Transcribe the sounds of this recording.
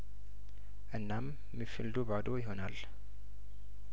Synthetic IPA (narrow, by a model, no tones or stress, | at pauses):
ʔɨnːamː | ifɨld̪ubad̪o̞jɪɦo̞nal